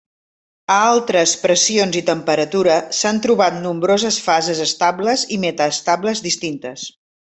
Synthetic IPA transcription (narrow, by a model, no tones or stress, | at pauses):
əalˠt̪ɾəspɾəsionzit̪əmpəɾət̪uɾəsant̪ɾuβat̪̚numbɾozəsfazəzəst̪abləzimet̪əːst̪abləzðist̪int̪əs